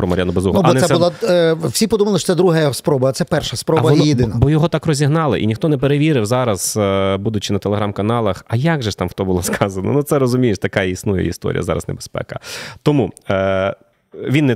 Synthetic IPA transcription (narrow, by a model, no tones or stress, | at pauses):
pɾɔmɐɾʲjanʊbɐzuɦɐɔɛsɛsɛbʊlˠaw̥sʲipɔd̪umɐlˠɪʃɔsɛd̪ɾuɦjɔɔspɾɔbɐt̪sɛpɛrʃɐspɾɔbɐɔnjɪd̪ɪnɐbɔjɔɦɔt̪ɑkrɔzʲiɦnɑlˠɪʔḭnʲixt̪ɔnɛpeɾeʋʲiɾɪwzɑɾɐz̥bud̪ʊt͡ʃɪnɐt̪elˠeɦɾɑmkɐnɑlˠɐxɐjɑɡʒɛʃt̪ɑmxt̪ɔbʊlˠɐskʰɑzɐnɐ̰nut̪sɛɾɔzʊmʲijɪʃt̪ɐkɑjɛisnujɛ̰ḭst̪ɔ̰ɾʲḭjɐzɑ̰ɾɐ̰znɛ̰bespɛ̰kɐ̰t̪ɔmu | ʋʲinːɛ